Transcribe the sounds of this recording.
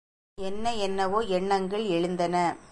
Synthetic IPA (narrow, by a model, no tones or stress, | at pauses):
ɛnːɐɛnːɐʋoːɛɳːɐŋɡɐɭɛɻɯnd̪ɐnɐ